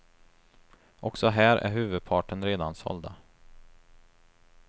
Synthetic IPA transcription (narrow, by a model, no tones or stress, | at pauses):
ʔɔksɔɦæːɾʔæ̰ɾɦʉ̟ːvɵd̪̚pʰɑːʈənɾeːd̪ansɔ̰ld̪a